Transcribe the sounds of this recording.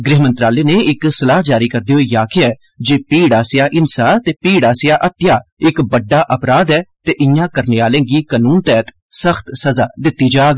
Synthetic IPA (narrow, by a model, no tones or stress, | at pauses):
ɡɾɪɦmə̃nt̪ɾaːleːneːɪksəlaːd͡ʒaːɾiːkəɾd̪eːɦoːiːjaːkʰɪɛː | d͡ʒeːpiːɽaːsɪjaːʔɪnsaːt̪eːpiːɽaːsɪjaːʔət̪ɪjaːɪkbəɖːaːʔəpɾaːd̪ɛːt̪eːʔɪjãːkəɾneːaːlẽːɡiːkənuːnt̪ɛːt̪ | səxt̪səzaːd̪ɪt̪ːiːd͡ʒaːɡ